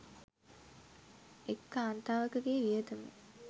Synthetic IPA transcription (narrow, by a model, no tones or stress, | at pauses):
ekːaːnt̪aːʋəkəɡeːʋijət̪əmḛ